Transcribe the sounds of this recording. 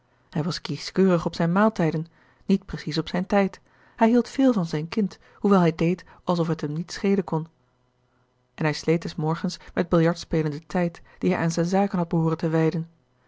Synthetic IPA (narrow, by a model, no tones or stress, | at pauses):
hɛjʋɑskiskøːrəχɔpsɛjnmaːlˠtɛjdən | nit̚prəsisɔpsɛjntɛjt | hɛjɦilˠtfɪːlˠvɑnzɛjnkɪnt | huʋɛlˠɦɛjdejt | ʔɑlˠs̬ɔfɦətɦəmnitsχejdəkɔn | ʔɛnɦɛjslejt̚dɛsmɔɹχənsmɛd̚bɪlˠjɑɹtspeːləndətɛjtd̥iɦɛjʔa̰ːnzɛjnzaːkənɦɑd̚bəɦʊːrəntəʋɛjdən